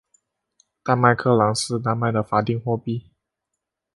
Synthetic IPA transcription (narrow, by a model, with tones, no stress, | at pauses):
t̪a˥˧nma˥˧ɪkʰɤ˥˩lɑ˧˥ŋʂɻ̩˥˧t̪a˥˧nma˥˩ɪd̪ə˩fa˧˥t̪i˥˧ŋxwɔ˥˧pi˥˩